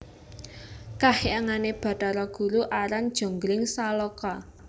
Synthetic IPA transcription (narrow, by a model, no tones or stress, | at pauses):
kaheaŋaneb̥ä̤taɾɔɡ̥ṳɾuʔaɾand̥ʒ̥o̤ŋɡɾɪŋsalɔkɔ